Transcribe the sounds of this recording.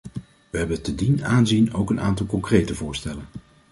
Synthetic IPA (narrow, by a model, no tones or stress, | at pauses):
ʋəɦɛbəntədinaːnzino̰wkəna̰ːntɑlˠkɔŋkrejtəvʊːɹstɛlən